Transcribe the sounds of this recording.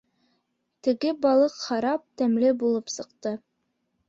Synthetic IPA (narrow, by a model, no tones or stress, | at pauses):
t̪ɘ̆ɡɘbɑlˠɤqχɑɾɑp̚t̪æmlɘbulˠɤpsɤ̆qt̪ɤ